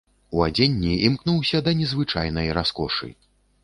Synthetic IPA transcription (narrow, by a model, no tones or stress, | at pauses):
uad͡zʲenʲːiimknuwsʲɐd̪ɐnʲɛzvɨt͡ʂajnɐjɾaskɔʂɨ̰